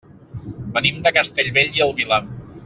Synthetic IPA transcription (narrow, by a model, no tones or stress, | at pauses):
bənimd̪əkəst̪eʎβeʎiəlˠβila